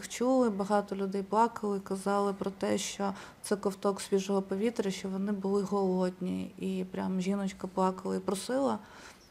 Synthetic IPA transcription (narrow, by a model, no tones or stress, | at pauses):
xt͡ʃulˠɪbɐɦɑt̪ɔlʲʊd̪ɛjplˠɑkɐlˠɪikɐzɑlˠɪpɾɔt̪ɛʃt͡ʃɔt̪sɛkɔwt̪ɔksʲʋʲiʒɔɦɔpɔʋʲit̪ɾʲɐʃt͡ʃɔʋɔnɪbʊlˠɪɦɔlˠɔd̪ʲnʲḭipɾʲamʒʲinɔt͡ʃkɐplˠɑkɐlˠɐipɾɔsɪlˠɐ